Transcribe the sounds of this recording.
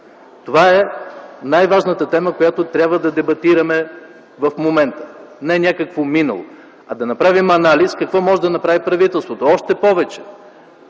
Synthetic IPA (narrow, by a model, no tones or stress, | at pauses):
t̪ovaɛnajvaʒnət̪ət̪ɛməkojat̪ot̪ɾʲabvəd̪ɐd̪ɛbɐt̪iɾɐmɛ | vɐfmomɛnt̪ə̥nɛnʲakəkvominɐ̰lˠo̰ | ɐd̪ɐnɐpɾavimɐnaliskɐkvɔmɔʒɛd̪ɐnɐpɾavipɾɐvit̪ɛlˠst̪vot̪oɔʃt̪ɛpɔvɛt͡ʃɛ̥